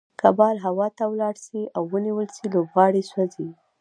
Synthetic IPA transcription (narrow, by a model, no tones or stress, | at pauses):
kabɑlɦawɑt̪awlɑɽsiawːəniwəlsilobɣɑɽiswazi